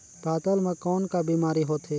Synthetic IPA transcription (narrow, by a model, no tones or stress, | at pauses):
paːt̪əlmẽkɔːnkabiːmaːɾiɦoːt̪ɦeː